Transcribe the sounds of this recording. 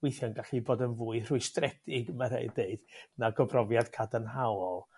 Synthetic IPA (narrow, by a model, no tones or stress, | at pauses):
wejθjɔnɡaɬiboːdənvuːɨr̥ʊɨstrɛdʰɪɡmaɾḛɨdeɨd̥naɡɔbrɔvjad̥kʰadanɦawɔlˠ